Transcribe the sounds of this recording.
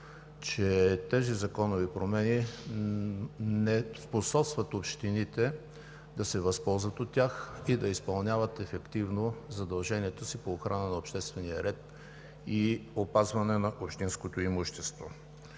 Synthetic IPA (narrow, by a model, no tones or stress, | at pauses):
t͡ʃɛt̪ɛzizɐkɔnovipɾomɛni | nɛsposɔpst̪vɐt̪opʃt̪init̪ɛ | d̪ɐsɛvɐspɔlˠzvɐt̪ot̪ʲːaxid̪ɐispɐlˠnʲavət̪ɛfɛkt̪ivnozɐd̪ɐlˠʒɛniɛt̪osipoːxɾanənɐopʃt̪ɛst̪vɛnijɐɾɛt̪̚ | iopazvɐnɛnɐʔopʃt̪inskot̪oimuʃt̪ɛst̪vo